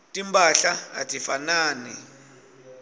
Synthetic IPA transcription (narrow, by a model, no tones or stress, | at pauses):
tʼimbʱʼaɬaa̰tʼifanaːnɛ